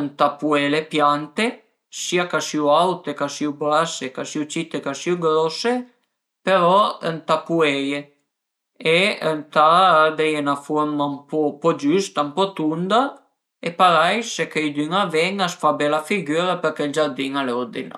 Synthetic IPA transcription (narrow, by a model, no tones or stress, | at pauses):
nt̪apuelepjant̪e | siakasiuawt̪ekasiublasekasiut͡ʃit̪ekasiuɡɾɔse | peɾɔənt̪apueje | eənt̪ad̪ɛjenafɔɾmampɔpɔd͡ʒyst̪ampɔt̪und̪a | epaɾajsekejd̪yŋavɛŋasfabɛlafiɡyɾapeɾkeld͡ʒaɾd̪iŋaleɔd̪in̰